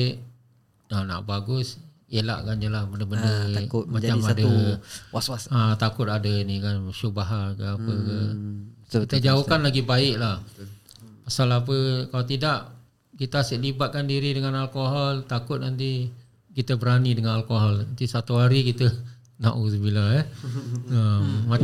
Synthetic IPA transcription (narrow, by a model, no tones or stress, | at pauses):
dana̰ʔbaɡʊs | ela̰ʔkand͡ʒəlahbəndəbənndətmãt͡ʃamadəaaat̪akʊt̪̚adənikanbəʃubaɦakəapəə | it̪əd͡ʒaukanlaɡibaɪʔlah | pasalap̬əkalat̪idaʔ | kit̪aasɪʔlibat̪̚kandiɾidəŋanalkoɦɔlt̪akʊt̪̚nant̪i | kit̪əbəɾanidəŋanalkoɦɔlnant̪isat̪uɦaɾikit̪ə | na̰ʔusəbilaə | əmːa